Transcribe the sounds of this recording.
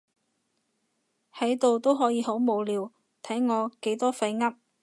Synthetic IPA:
hɐ˨˥jt̪o˨wt̪o˥wɦɔː˨˥jiː˨˧ɦo˨˥wmo˨˧wliː˨˧w | t̪ʰɐ˨˥jŋɔː˨˧ke˨˥jt̪ɔː˥fɐ˧jŋɐ˥p̚

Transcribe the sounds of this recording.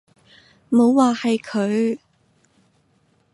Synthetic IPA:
mo˨˧wwaː˨hɐ˨jkʰɵ˨˧ɥ

